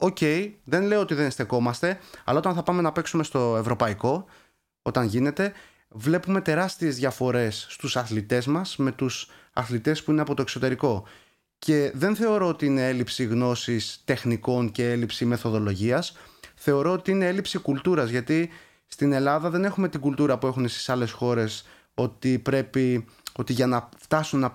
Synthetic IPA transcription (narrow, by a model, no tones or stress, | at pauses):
o̞ce̞jðe̞nleoot̪iðe̞nst̪e̞ko̞mɐst̪e̞ɐ̰lɐo̞t̪ɐnθɐpɐme̞nɐpe̞ksume̞st̪o̞e̞vɾo̞pɐiko̞ | o̞t̪ɐnʝine̞t̪e̞ | vle̞pume̞t̪e̞ɾɐst̪ie̞zðʝɐfo̞ɾe̞sːt̪usɐθlit̪e̞zmɐsme̞t̪us | ɐ̰θlit̪e̞spuineɐpo̞t̪o̞ekso̞t̪e̞ɾiko̞ | ce̞ðe̞nθe̞o̞ɾo̞ot̪iine̞e̞lipsiɣno̞sist̪e̞xniko̞nce̞e̞lipsime̞θo̞ðo̞lo̞ʝiɐsθe̞o̞ɾo̞ot̪iinee̞lipsikult̪uɾɐzʝɐt̪i | st̪ine̞lɐðɐðe̞ne̞xume̞t̪iɡult̪uɾɐpue̞xunest̪i̥sɐle̞sxo̞ɾe̞s | o̞t̪ipɾe̞pi | o̞t̪iʝɐnɐft̪ɐsunɐ